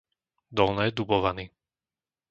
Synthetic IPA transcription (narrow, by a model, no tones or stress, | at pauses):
d̪ɔlnɛːd̪ubɔʋaniː